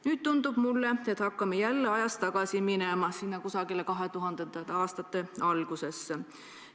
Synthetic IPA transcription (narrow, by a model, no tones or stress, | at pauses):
nyːd̪̥̚t̪und̪̥ub̥mulːe̞et̪hɑkːɑmejælːeɑjɑst̪ɑɡ̥ɑsiminemɑsinːɑkusɑɡile̞kɑɦe̞t̪uɦɑnd̪̥ent̪ɑt̪ɑːst̪ɑt̪ːˑe̞ɑlɡ̥use̞sː